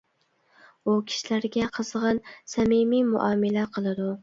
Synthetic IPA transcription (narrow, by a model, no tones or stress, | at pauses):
ʊkʲʰi̥ʃilæɾɡʲɛqʰɨz̥ʁɨnsæmɪmimʊ̰ʔɑmɪlaqʰəlˠɨd̪ʊ